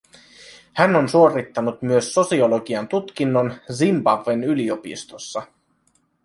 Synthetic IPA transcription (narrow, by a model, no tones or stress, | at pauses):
hæno̞nsuo̞rit̪ːɑnut̪myøsːo̞sio̞lo̞ɡiɑnt̪ut̪k̟inːo̞nzimbɑvːenylio̞pḭst̪o̞sːɑ